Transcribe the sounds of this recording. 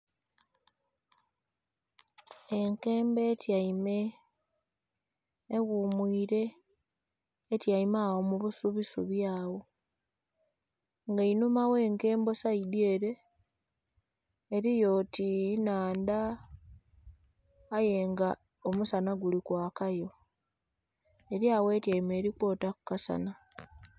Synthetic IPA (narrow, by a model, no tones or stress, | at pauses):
e̞ŋke̞ːmbe̞tjaime | ɣumwiːɾe̞ | tjaimawomuβusuβisuβjaːwo̞ | ŋɡainumawe̞ːŋke̞ːmbo̞saidie̞ːɾe̞ | ɾijo̞tinaːnda | je̞ŋɡa | omusanaɡulikwaːkajo̞ | eɾjawe̞tjaime̞ːɾikwo̞ːtakukasa̰na